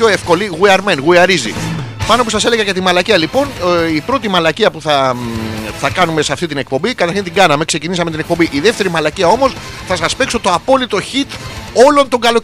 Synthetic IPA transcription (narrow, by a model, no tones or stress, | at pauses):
oefko̞liɣuiɐɾmenɣuiɐɾizḭpɐno̞pusɐse̞leɣɐʝɐt̪imɐlɐciɐlipo̞nipɾo̞t̪imɐlɐciɐpuθɐ | θɐkɐnume̞seɐft̪it̪̬ine̞k̚po̞mbikɐt̪ɐɾçint̪iɡɐnɐme̞kse̞cinisɐme̞t̪inek̚po̞mbiʔiðe̞ft̪e̞ɾimɐlɐciɐo̞mo̞s | θɐsɐspekso̞t̪o̞ɐpo̞lit̪o̞çit̪o̞lo̞nt̪o̞ŋɡɐlo̞